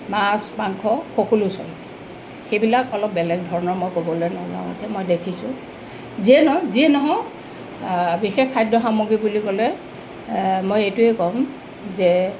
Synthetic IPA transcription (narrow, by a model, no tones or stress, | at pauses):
maspaŋkʰɔxɔkolusɔ̰l | xejbilakɔlɔp̚bɛlɛɡ̚dʱɔɹɔnɔɹmɔjkobɔlojnazã̰a̰tɛmojdekʰisʊ̰̃ | ziɛnɔziɛnɔɦɔ | bixekkʰːajdɔxamoɡibulikɔlɛ | mojejtuekɔm | zɛ